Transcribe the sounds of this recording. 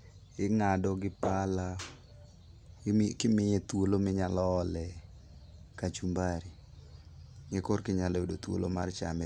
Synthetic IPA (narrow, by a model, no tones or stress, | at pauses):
ɪŋadɔɡɪpala | kɪmɪjet̪wolomɪɲalɔːlɛ | kat͡ʃumbaɾi | ŋɛkorkɪɲaloedot̪wo̰lomart͡ʃa̰mɛ